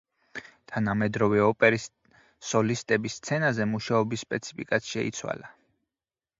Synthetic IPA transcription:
t̪ʰanamɛd̪ɾɔvɛɔpʼɛɾi | sɔlist̪ʼɛbist̪sʰɛnazɛmuʃaɔbisːpʼɛt̪sʰi̥pʰikʼassʃɛḭt̪sʰwa̰la

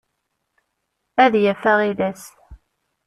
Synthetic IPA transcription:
æðjæfæʁiðæs

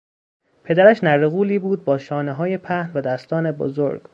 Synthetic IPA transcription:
pʰe̞d̪æɾæʃnæɾeɣuːliːbuːd̪̚bɒːʃɒːneɦɒːje̞pʰæhnvæd̪æst̪ɒːne̞bo̰zoɾɡ̥

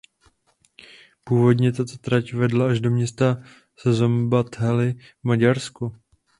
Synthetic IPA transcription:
puːvo̞dɲɛt̪at̪o̞t̪ɾacvɛdlaaʒdo̞mɲɛst̪a | sɛzombat̪ɦɛlɪ | vmaɟaɾsku

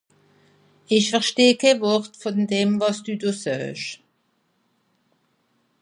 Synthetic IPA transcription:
ʔɪçfɛʁʃteːkʰeːvɔʁtfɔndeːmvɑsd̥uːdoːsœːʃ

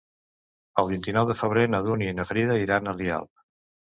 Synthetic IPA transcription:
əlˠβint̪inɔwðəfəβ̞ɾenəðuninəfɾiðəiɾanəlia̰lˠ

